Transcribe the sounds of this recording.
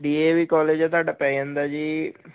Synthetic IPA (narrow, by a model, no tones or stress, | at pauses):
ɖiːeːʋiːkɔːleːd͡ʒɛ̃t̪oaːɖaːpɛ̃ːiə̃nd̪aːd͡ʒiː